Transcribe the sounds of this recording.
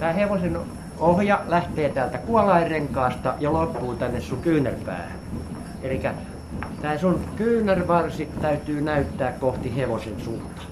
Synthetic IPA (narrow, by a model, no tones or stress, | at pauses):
t̪æːheʋosen | ohjɑlæht̪eːt̪æːlt̪ækuɑlɑireŋkˑɑːst̪ɑjɑlopːuːt̪ænːessuŋkyːnːærpæ̰ːhæ̰n | elikæ | t̪æːsunkyːnærʋɑrsit̪æyt̪yːnæyt̪ːæːkkoht̪iheʋosensuːt̪ɑ̥